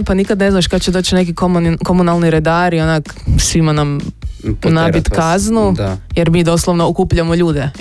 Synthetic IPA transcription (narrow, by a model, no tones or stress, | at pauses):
panikad̪ne̞znaʃkad̪t͡ɕed̪ot͡ɕne̞k̬ikomko̞munalˠniɾed̪aːɾionaksʋimanam | nabit̪kaznujeɾmiːd̪o̞slˠoʋnookuːpʎamoʎuːd̪e̞